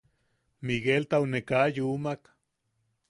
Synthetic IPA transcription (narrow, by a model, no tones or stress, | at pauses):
miɣelt̪aonekajumak